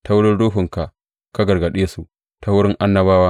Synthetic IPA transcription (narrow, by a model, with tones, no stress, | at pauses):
tʰa˦wʊ˦ɽɪ˦nɽoː˦ɸʊ˨ŋka˨ʔ | ka˦ɡɐ˨rɡɐ˨ɗeː˦su˨ʔ | tʰa˦wʊ˦ɾɪ˦ŋʔa˦nːɐ˦baː˦waː˦